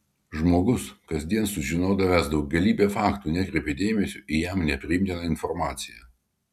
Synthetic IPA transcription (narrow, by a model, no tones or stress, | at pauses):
ʒmoːɡʊskɐzʲd̪ʲiɛnsʊʒʲɪnoːd̪ɐʋʲɛːsd̪ɐʊɡ̚ɡʲɐlʲiːbʲeːfɑːkt̪uːnʲɛkɾʲɛpʲed̪ʲeːmʲɛsʲuʔijɛmnʲɛpʲɾʲɪɪmʲt̪ʲɪnɐɪnfɔɾmɑːt̪sʲɪjɛː